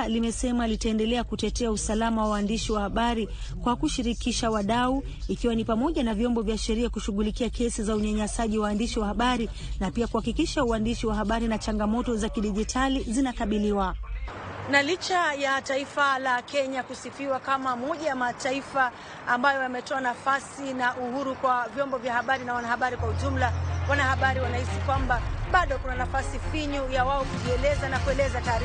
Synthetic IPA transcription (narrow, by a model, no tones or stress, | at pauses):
limɛsɛmalitaɛndɛlɛakutɛtɛausalamawawaːndiʃiwahaɓaɾi | kwakuʃiɾikiʃawaɗau | ikiwanipamɔʄanavjɔmbɔvjaʃɛɾiakuʃuɠulikiakɛsizauɲaɲasaʄiwaːndiʃiwahaɓaɾi | napiakuhakikiʃauandiʃiwaɦaɓaɾinat͡ʃaŋɡamɔtɔzakiɗiʄitʰalizinakaɓiliwa | nalit͡ʃajataifalakɛɲakusifiwakamamɔʄajamataifaː | mbajɔamɛtɔanafasinaʔuhuɾukwavjɔmbɔvjahaɓaɾinawanahaɓaɾikwauʄum̩lawanahaɓaɾiwanahisikwambaɓaɗɔkunanafasifiɲujawaɔkuʄiɛlɛzanakuɛlɛzataːɾi